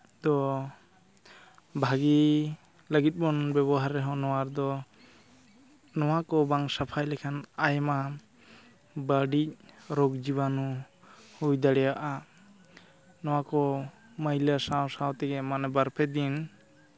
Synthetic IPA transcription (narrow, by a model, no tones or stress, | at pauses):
d̪ɔ | bʱaɡi | ləɡit̪̚bɔnbɛβɔɦaɾɛɦɔ̃nɔwaɾd̪ɔ | nɔwakɔbaŋsapʰajlɛkʰanajma | baɖic̚ɾoɡd͡ʒibanu | hujd̪aɽɛjaʔa | nɔwakɔ | məjlasawsawt̪ɛɡɛmanɛbaɾpʰɛd̪in